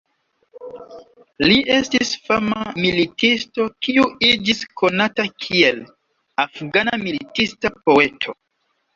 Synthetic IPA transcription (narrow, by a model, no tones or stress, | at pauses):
liʔe̞stisfamamilitisto̞kiuid͡ʒiskʰo̞natakʰiel | afɡanamilitistapo̞e̞tʰo̞